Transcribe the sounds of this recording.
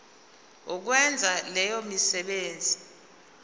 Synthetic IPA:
uk̬wɛnd͡zʱalɛjomisɛɓeːnd͡zʱi

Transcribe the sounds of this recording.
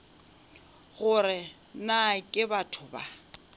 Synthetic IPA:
ɣʊrɪ | nakʼɪbatʰʊba̰

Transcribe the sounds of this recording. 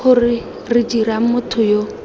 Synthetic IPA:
ʊrɪ | rɪdiɾamʊtʰʊjo

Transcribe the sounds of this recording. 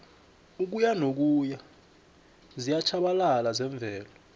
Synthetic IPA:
uk̬ujanok̬uja | zijat͡ʃʰaɓalalazɛɱb̪vʱɛːlɔ

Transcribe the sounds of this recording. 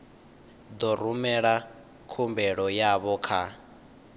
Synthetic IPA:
d̪ɔɾumɛɺa | kʰumbɛɺɔjaβɔkʰa

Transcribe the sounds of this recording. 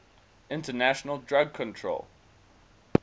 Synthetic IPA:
ɪ̃ntənæʃənəlˠdɹaɡ̚kʰə̃ntʰɹ̥o̰ʊlˠ

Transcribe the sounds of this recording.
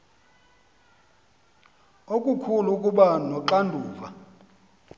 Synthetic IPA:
okʼukʰulukʼuɓanɔǃandʱuːva

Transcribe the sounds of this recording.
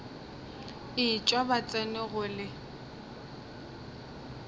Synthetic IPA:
ɪt͡ʃʼwabat͡sʼɛnɪɣʊlɪ

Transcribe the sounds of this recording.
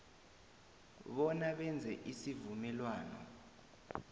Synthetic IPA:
ɓɔnaɓɛnd͡zʱɛʔisivumɛlwaːnɔ̰

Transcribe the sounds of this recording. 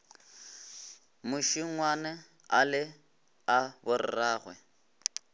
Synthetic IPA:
mʊʃiŋŋwanɛ | alɪ | abʊrɪ̰raːɣwɛ̰

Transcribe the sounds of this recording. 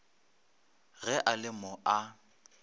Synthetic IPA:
ɣɛʔalɪmɔʔa

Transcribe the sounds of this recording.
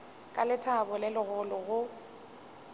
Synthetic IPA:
kʼalɪtʰabʊlɪlɪɣʊlʊɣʊ

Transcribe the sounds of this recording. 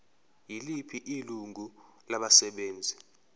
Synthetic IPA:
jilipʰiʔiluŋu | laɓasɛɓeːnd͡zʱi

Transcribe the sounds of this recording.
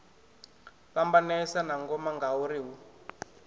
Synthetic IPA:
ɸambanɛsanaŋɡɔmaŋɡauɾiɦu

